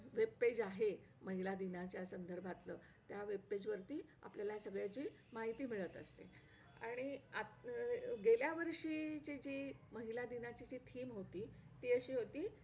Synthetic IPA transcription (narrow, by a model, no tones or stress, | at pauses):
ʋepːed͡ʑaɦe | məɦilad̪inat͡ɕjasənd̪əɾbʱat̪ləː | t̪jaʋepːed͡ʑʋəɾt̪iːa̰pljalasəɡɭjat͡ɕiː | maɦit̪iːmiɭət̪əst̪ḛ | a̰ɽ̃ia | ɡeljaʋəɾʂiːt͡ɕid͡ʑiːməɦilad̪inat͡ɕid͡ʑiːt̪ʰiːmɦot̪iːt̪iːəɕiːɦot̪iː